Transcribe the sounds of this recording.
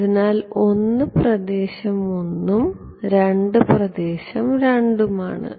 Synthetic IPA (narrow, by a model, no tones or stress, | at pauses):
ðinaːlo̞nːɨprɐd̪eːɕɐmonːum | ɾeɳɖɨprɐd̪eːɕɐmɾeɳɖuma̰ːɳɨ̰